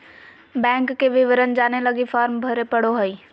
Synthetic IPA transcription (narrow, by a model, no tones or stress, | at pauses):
bɛ̃ːŋkːeʋɪʋəɾənd͡ʒaːnelɐɡifaːɾmbʱɐɾepɐɽoɦəi